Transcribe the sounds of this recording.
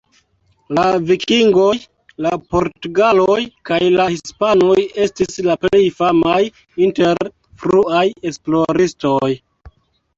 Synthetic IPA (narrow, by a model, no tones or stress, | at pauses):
lavikʰiŋɡo̞j | lapo̞ɾtuɡalojkajlahispanoje̞stislaple̞jfamaj | inte̞ɾ | fɾuaje̞splo̞ɾisto̞j